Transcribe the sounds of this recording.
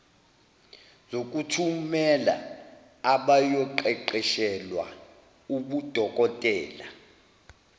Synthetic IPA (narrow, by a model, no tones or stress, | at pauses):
zok̬ʼutʰumɛla̰ | aɓajɔǃɛǃɛʃɛlwa̰ | uɓud̥ʱɔkʼɔtʼɛːla